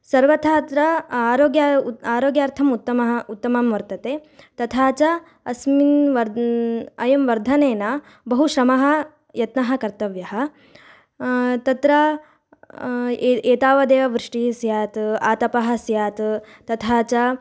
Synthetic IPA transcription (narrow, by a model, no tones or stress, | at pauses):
sɐɾʋɐt̪ʰaːt̪ɾɐaːɾoːɡjaaːɾoːɡjaːɾt̪ʰɐmut̪ːɐmɐɦɐut̪ːɐmamʋɐɾt̪ɐt̪eːt̪ɐt̪ʰaːt͡ʃɐ | ɐsminʋɐɾ | ɐjɐmʋɐɾd̪ʱɐneːnɐ | bɐɦuʃɾɐmɐɦɐ̆ | jɐt̪nɐɦɐ̆kɐɾt̪ɐʋjɐɦɐ̆ | t̪ɐt̪ɾɐ | eːt̪aːʋɐd̪eːʋɐʋɾɪʂʈisjaːt̪aːt̪ɐpɐɦɐ̆sjaːt̪ | t̪ɐt̪ʰaːt͡ʃɐ